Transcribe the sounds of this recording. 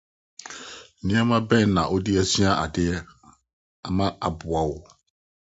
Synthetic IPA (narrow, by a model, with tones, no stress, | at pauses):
nĩ˦ã˦mã˦bɛ̃˦˨nã˨ʔo˦di˦ɛ˦sĩ˦ã˦ʔa̰˨dɪ˦ɛ˦ | a˨mã˦a˨bʊ˨a˨wo˨